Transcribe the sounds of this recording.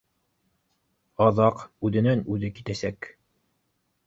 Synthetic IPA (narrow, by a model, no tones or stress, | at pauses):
ɑðɑqʉðɘ̆nænʉðɘkit̪æsæk